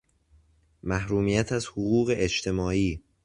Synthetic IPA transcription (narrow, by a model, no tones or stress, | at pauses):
mæhɾuːmiːjæt̪ʰæzhoɣuːɣe̞ʔet͡ʃt̪ʰe̞mɒːiː